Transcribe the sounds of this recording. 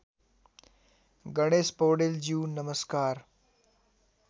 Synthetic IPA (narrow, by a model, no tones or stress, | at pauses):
ɡəɽ̃eːspoːɽeld͡ʑiːnəməskaːɾ